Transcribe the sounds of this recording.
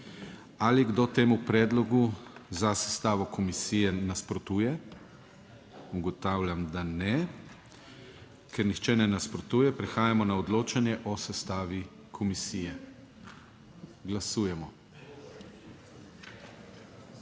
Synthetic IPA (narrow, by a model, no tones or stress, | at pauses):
aliɡd̪oːt̪eːmupɾɛːd̪lɔɡuzasɛ̥st̪aːʋɔkʰɔmisiːjɛnaspɾɔt̪uːjɛ | uɡɔt̪aːwlʲjamd̪anɛ | kɛɾnixt͡ʃɛnɛnaspɾɔt̪uːjɛpɾɛxaːjamɔnaɔd̪loːt͡ʃanjɛʔɔsɛst̪aːʋi | kʰɔmisiːjɛ | ɡlasuːjɛmɔ